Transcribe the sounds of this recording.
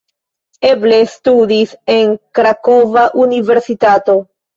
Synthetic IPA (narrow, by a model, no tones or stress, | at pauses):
e̞ble̞studise̞ŋkɾakovaʔunive̞ɾsitato̞